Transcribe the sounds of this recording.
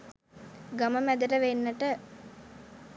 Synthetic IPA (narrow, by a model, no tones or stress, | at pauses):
ɡaməmæd̪əʈəʋenːəʈə